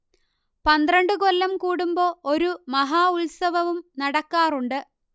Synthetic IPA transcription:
pɐnd̪rɐɳɖɨkolːɐmkuːɽumboːoɾumɐɦaːuɭsɐʋɐʋumnɐɽɐkːaːruɳɖɨ

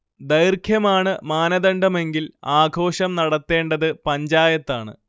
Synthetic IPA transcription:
d̪ɐjrkʰjɐmaːɳɨmaːnɐðɐɳɖɐme̞ŋɡilaːɡʱo̞ːɕɐmnɐɽɐt̪ːe̞ːɳɖɐðɨpɐɲd͡ʑaːjɐt̪ːaːɳɨ̰

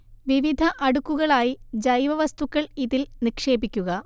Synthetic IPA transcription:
ʋiʋid̪ʱɐʔɐɽukːuɣɐɭaːjid͡ʑɐjʋɐʋɐst̪ukːɐɭiðilnikʂe̞ːbikʲːuɣɐ

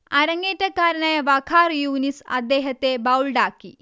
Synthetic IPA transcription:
ɐɾɐŋɡeːʈːɐkaːɾɐnaːjɐʋɐkʰaːrjuːnisɐ̰d̪ːeːɦɐt̪ːebɐwlɖaːkːi

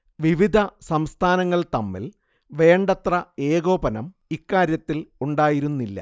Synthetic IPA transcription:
ʋiʋid̪ʱɐsɐmst̪ʰaːnɐŋːɐɭt̪ɐmːḭl | ʋe̞ːɳɖɐt̪rɐeːɣo̞ːbɐnɐm | ikːaːɾjɐt̪ːiluɳɖaːjiɾunːilːɐ̰

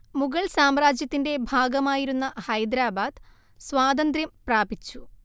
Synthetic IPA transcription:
muɣɐɭsaːmɾaːd͡ʑjɐt̪ːinde̞bʱaːɡɐmaːjiɾunːɐhɐjd̪ɾaːbaːd̪̥ | sʋaːd̪ɐnd̪ɾjɐmpraːbit͡ɕːu

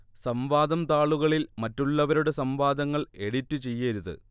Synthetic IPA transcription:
sɐmʋaːd̪ɐmt̪aːɭuɣɐɭilmɐtːuɭːɐʋɐɾuɽesɐmʋaːd̪ɐŋːɐɭe̞ɽitːɨt͡ɕe̞jːɐɾuðɨ̰

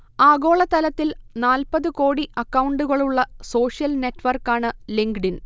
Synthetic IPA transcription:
aːɡo̞ːɭɐt̪ːɐlɐt̪ːilnaːlpɐðɨkoːɽiʔɐkːɐwɳɖuɣɐɭuɭːɐso̞ːʂijɐlne̞ʈːʋɐrkːaːɳɨliŋɡɖin

